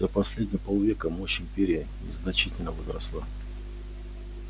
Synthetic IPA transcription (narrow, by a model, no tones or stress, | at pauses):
əpɐsʲlʲedʲnʲɪjəpolˠvʲekəmoɕɪmʲpʲeɾʲɪjənʲɪ̰znɐt͡ɕitʲɪlʲnəvəzɾɐ̰slˠa